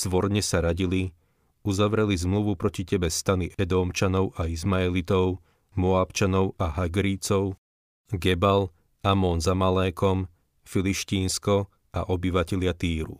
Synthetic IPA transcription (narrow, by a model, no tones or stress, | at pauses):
z̥ʋɔɾɲɛsaɾaɟili | uzaʋɾɛlizmluʋupɾɔcicɛbɛst̪aniʔɛd̪ɔːmt͡ʃanɔʊʔaizmaɛlit̪ɔʊ | mɔaːpt͡ʃanɔʊaɦaɡɾit͡sɔʊ | ɡɛbal | amɔːnzamalɛːkɔm | filiʃciːnskɔ | a̰ʔɔbiʋacɛʎɪat̪iːɾṵ